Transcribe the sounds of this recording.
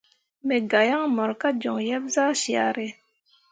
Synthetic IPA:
me˨ɡa˨ja˦ŋmɔ˨ɾka˦d͡ʒɔ˨ŋjɛ˦b̚zaː˦si˨a̰˨ɾe˦˨

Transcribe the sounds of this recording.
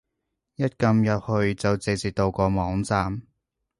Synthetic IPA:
jɐ˥t̚kɐ˧mjɐ˨p̚hɵ˧ɥt͡sɐ˨wt͡se˨˧t͡siː˨˩t̪o˧wkɔː˧mɔː˨˥ŋt͡saː˧m

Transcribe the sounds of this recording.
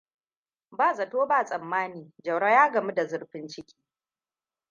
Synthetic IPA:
baː˦˨zɐ˨toː˦baː˦˨sʼɐ˨mːaː˦niː˨d͡ʒɐ˨wɽa˦jaː˦ɡɐ˨mu˦da˨zʊ˦ɽɸɪ˦nt͡ʃɪ˦kʲiː˦

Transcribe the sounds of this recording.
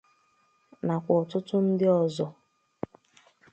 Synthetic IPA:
na˨kʷɔ˨tʊ˦tʊ˦n̩˦dɪ˦ɔ˦˨zɔ˨

